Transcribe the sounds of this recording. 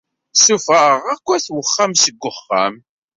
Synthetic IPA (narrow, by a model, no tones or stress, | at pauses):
sufəʁækʷːæθwəχːamsəɡʷːəχːa̰m